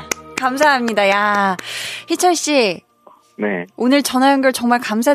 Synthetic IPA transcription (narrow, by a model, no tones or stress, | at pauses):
kamsʰaɦamɲidaja | çit͡ɕʰʌɭɕ͈i | nḛonɯɭt͡ɕʌnɦaɯnɡjʌɭt͡ɕʌŋmaɭkams̬ʰa